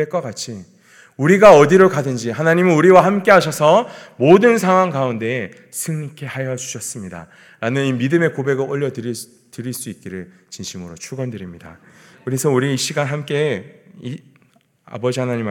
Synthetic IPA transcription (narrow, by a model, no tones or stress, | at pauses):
eɭk͈ʌk͈at͡ɕʰi | uɾiɡaʌdiɾoɭkadɯnd͡ʑiɦanaɲimɯnuɾiwahamk͈e̞ɦaɕʰʌsʰʌmodɯnsʰaŋwaŋɡaunde̞ | sʰɯŋikʰe̞hajʌd͡ʑu̥ɕʰʌs͈ɯmɲida̰ | ɾanɯnimidɯme̞kobe̞ɡɯɭɡʌʎːʌdɯɾ | tɯɾiɭs͈uik̚k͈iɾɯɭ | t͡ɕiŋɕʰimɯɾot͡ɕʰuɡʌndɯɾimɲida̰kɯɾisʰʌuɾiːɕ͈iɡanɦamk͈e̞i | a̰bʌd͡ʑihanaɲim